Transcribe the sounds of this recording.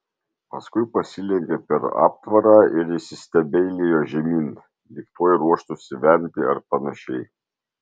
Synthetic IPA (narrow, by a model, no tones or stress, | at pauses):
pɐskʊɪpɐsʲɪlʲɛŋʲkʲɛpʲɛɾɑ̰ːp̚t̪ʋɐɾɑːɪɾɪʃsʲɪsʲt̪ʲɛbʲɛɪlʲejoːʒʲɛmʲiːn | d̪ʲikt̪oːjɛɾuɔʃt̪ʊsʲɪʋʲɛnʲt̪ʲɪɐ̰ɾpɐnɐʃʲɛɪ